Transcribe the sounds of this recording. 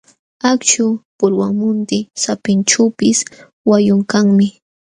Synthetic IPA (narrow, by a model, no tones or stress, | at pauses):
akt͡ʃʊpʊɾwaŋmʊnt̪ɪsapɪnʈ͡ʂawpɪs | wajʊŋkaŋmɪ